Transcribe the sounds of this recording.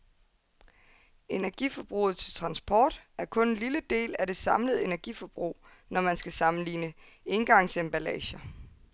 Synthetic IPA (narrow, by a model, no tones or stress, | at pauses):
e̝næɐɡ̥ḭfɒ̽b̥ʁṵːð̞̩ˠt͡sʰe̝lt͡sʰʁɑ̈nsb̥ʰɒ̰ːd̥æɐkʰɔ̽nenliləd̥e̝̰ːlæd̥e̝sɑ̈mləð̞̩ˠe̝næɐɡ̥ifɒ̽b̥ʁṵː | nɒmænsɡ̥æsɑ̈mn̩liːnə | e̝nɡ̥ɑ̈ŋ̰semb̥ælɛ̰ːɕɐ